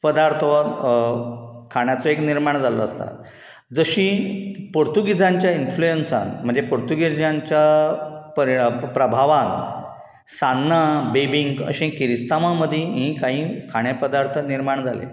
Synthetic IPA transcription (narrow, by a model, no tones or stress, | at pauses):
pəd̪aɾt̪ʰ | kʰaɽ̃jat͡sɔekniɾmaɳd͡zaləəst̪a̰t̪̚ | d͡zəɕĩpoɾt̪uɡid͡zãɲt͡ɕjainflujensa̰nm̤əɳd͡zepoɾt̪uɡid͡zaɲt͡ɕjapəpɾəbʱaʋan | sanːabebiŋɡə̰ɕẽkiɾist̪amaməd̪ʱjĩɦĩkaɦĩːkʰaɽ̃epəd̪aɾt̪ʰəniɾmaɳd͡zʱalḛ